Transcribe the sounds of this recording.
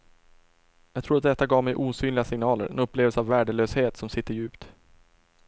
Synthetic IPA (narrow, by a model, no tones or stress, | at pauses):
jɑɡt̪ʰɾuːɾat̪d̪ɛt̪ːaɡɑːvmɛjʔuːsyːnlɪɡasɪŋnɑːlə̰ɾɛ̰nɵpːleːvɛlsəavːæːɖəløːsheːt̪sɔmsɪt̪ːəɾjʉ̟ːpt̪